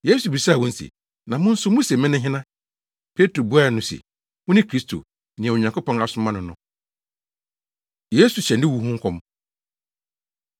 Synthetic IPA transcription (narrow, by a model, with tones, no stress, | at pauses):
je˦su˨bi˨sa˦˨wɔ̃˦n̩˦sʰḭ˨ | nã˨mʊ̃˦n̩˦sʊ˦mʊ̃˦sɛ˨mɪ̃˦nʊ̃˦ɦɪ̃˦nã˦ | pʰe˦tʰɾo˨bu˦a˦˨nʊ̃˨sɛ̰˨ | wʊ̃˦nɪ̃˦kʰɾi˦stʰo̰˨ | nɪ̃˨ɛ˨o˨ɲã˨ŋko˦pɔ̃˦na˨sʊ̃˨˦mã˦nʊ̃˨nʊ̃˨ | je˦su˨ɕɛ˨ndɪ̃˦wu˦ɦʊ̃˦ŋ̩˦kʰɔ̃˦m